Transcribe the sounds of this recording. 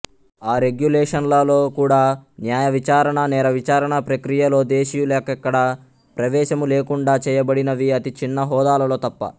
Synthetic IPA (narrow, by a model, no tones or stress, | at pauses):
aːɾe̞ɡjulɛːʂɐnlɐlo̞ːkuːɽaːnjaːjɐʋit͡ʃaːɾɐɳɐnɛːɾɐʋit͡ʃaːɾɐɳɐpɾɐkɾijɐlo̞ːd̪eːʃijulɛːkɐkːɐɽɐ | pɾɐʋɛːʃɐmuleːkuɳɖaːt͡ʃɛːjɐbɐɽinɐʋiɐt̪it͡ʃinːɐɦɔːd̪aːlɐlo̞ːt̪ɐpːɐ̰